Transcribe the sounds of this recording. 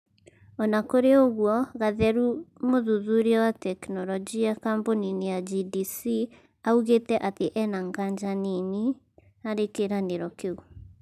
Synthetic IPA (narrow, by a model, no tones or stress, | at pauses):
ɔnakoɾeoɣwɔɣaðɛɾumoðuðuɾiɔwatɛknɔɾɔd͡ʒiakamboninejad͡ʒidisi | auɣetɛʔateʔɛnaŋɡaɲd͡ʒanini | aɾekeɾaneɾɔkeu